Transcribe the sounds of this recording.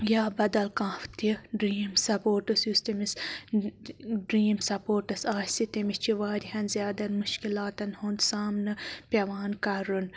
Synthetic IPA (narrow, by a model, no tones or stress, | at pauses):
jaːbɐd̪ɐlkãːft̪iɖɾiːmsɐpoːʈɨsjust̪ɐmis | ɖɾiːmsɐpoːɾʈɐsaːsit̪ɐmist͡ʃʰiʋaːɾiɦɐnzʲjaːd̪ɐnmuʃkilaːt̪ɐnhuːnd̪saːmnɨpʲeʋaːnkɐɾun